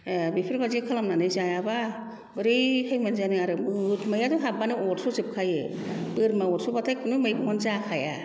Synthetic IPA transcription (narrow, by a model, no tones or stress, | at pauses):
bipʰiɾbazikʰalamnanɯjzajaba | bɯɾɯjkʰajmanzanɯaɾɯmɯtmajatuɦabanɯot̚suzɯp̚kʰajɯ | bɯɾmaɔt̚subatʰajk̚ʰɯnɯmɯjbɔnzakʰaja̰